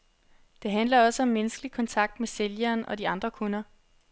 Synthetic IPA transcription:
d̥e̝ɦænlɐɒ̽səɒ̽mːenəsɡ̥əlikʰɒ̽nt͡sʰɑ̈ɡ̥̚d̥meseljɐːnɒ̽d̥iɑ̈nd̥ʁɐkʰo̝nɐ

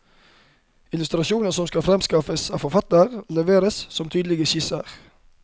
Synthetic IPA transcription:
ɪlʉst̪ɾɑʃuːnəsɔmskɑfɾɛmskɑfəsɑːʋfɔfɑt̪əʁlɛʋeːɾəssɔmt̪ʰyːd̪l̩ɪɡəçɪsəʁ

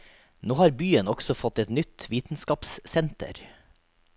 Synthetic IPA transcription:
noːhɑːɾbyːənɔɡ̥sɔfɔt̪ɛt̪nʏt̪ʋiːt̪n̩skɑːpssɛnt̪ə̰ɾ

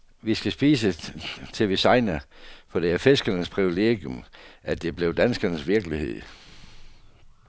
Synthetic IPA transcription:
ʋisɡ̥æsb̥iːsət͡sʰe̝ʋisɑ̈ɪnɐfɒ̽d̥eɐfesɡ̥ɐnəspʰʁiʋile̝̰ɡ̥jomʔæd̥e̝b̥le̝ʊd̥ænsɡ̥ɐnəsʋiɐɡ̥lihe̝ð̞̰ˠ

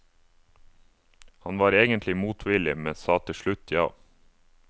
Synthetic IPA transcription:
hɑnʋɑːɾeːɡənt̪lɪmuːt̪ʰʋɪlɪmɛnsɑːt̪ʰɪʃɭʉt̪ʰjɑ̰ː

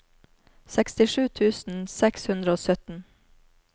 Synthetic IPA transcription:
sɛkst̪ɪʃʉːt̪ʰʉːsn̩sɛkshʉnd̪ɾəoːsœt̪n̩

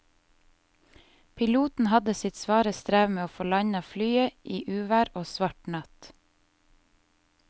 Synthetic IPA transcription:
pʰɪluːt̪n̩hɑd̪əsɪt̪sʋɑːɾəst̪ɾæːʋmeːoːfɔɭɑɲɑflyːəʔiːʔʉːʋæːɾoːsʋɑʈɳɑt̪

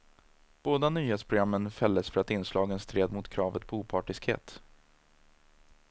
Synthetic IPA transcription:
b̥oːd̪anyːheːt̪spʰɾʊɡɾamːənfɛlːəsfœɾat̪ɪnːslɑːɡənst̪ʰɾeːd̪mʊt̪kʰɾɑːvət̪̚pʰɔuːpʰɑːʈɪskhḛːt̪

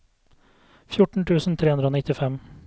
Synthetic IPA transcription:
fjʊʈɳ̩ʈ̪ʰʉːsn̩t̪ʰɾeːʉnd̪ɾəoːnɪt̪ɪfɛm

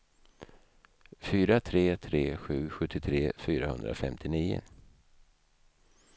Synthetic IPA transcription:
fyːɾat̪ʰɾeːt̪ʰɾeːɧʉ̟ːɧɵt̪ʰːɪt̪ʰɾeːfyːɾahɵ̰nd̪ɾa̰fɛmt̪ʰɪniːʊ̰

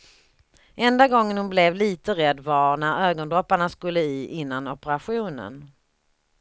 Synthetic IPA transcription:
ʔɛnd̪aɡɔŋːənhʊnblɛvliːt̪əɾɛd̪ːvanæɾøːɡɔnd̪ɾɔpːaɳaskɵlːəiːʔɪnːanɔpəɾaɧuːnə̰n

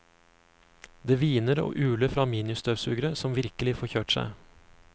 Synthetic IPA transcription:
d̪eːʋiːnəɾo̰ːʔʉːləfɾɑːmiːnɪʉst̪øːʋsʉːɡɾəsɔmʋɪɾkəlɪfoːçøːʈsæ̰ɪ

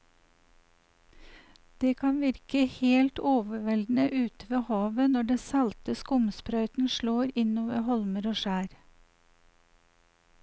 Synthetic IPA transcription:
d̪̥eːkʰɑnʋɪɾkəheːlt̪oːʋəʋɛld̪n̩əʔʉːt̪ʋeːhɑːʋənɔɖɛːsɑlt̪əskʊmspɾœʏt̪n̩ʃloːɾɪnoːʋəhɔlməɾoːʃæːɾ

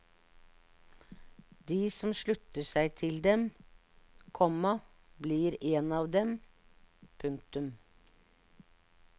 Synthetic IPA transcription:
d̪iːsɔmʃɭʉt̪əsæɪt̪ʰɪld̪ɛm | kʰɔmːɑ | bliːɾeːnɑːʋd̪ɛm | pʰʉŋk̚t̪ʉm

